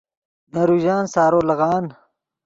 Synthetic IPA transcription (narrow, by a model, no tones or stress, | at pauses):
meɾuːʑaːnsaːɾoːlɐɣaːn